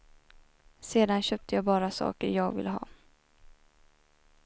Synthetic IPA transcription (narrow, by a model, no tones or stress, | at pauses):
seːd̪anɕøːp̚t̪ʰəjɑːɡbɑːɾasɑ̰ːkəɾjɑːɡvɪ̰lːəɦɑ̰ː